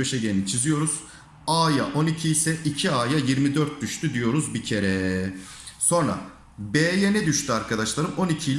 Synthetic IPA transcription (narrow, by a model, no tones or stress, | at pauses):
øʃɛɟeɾnit͡ʃʰizijo̞ɾuz̥ | aːjaʔo̞nicʰiːsɛʔicʰiaːjajiɾmid̪øɾt̪̚d̪yʃt̪ʰyd̪ijo̞ɾuzbicʰe̞ɾɛ | so̞nɾa̰ | beːjenɛd̪yʃt̪ʰyaɾkʰad̪aʃlˠaɾɯmo̞nicʰilʲ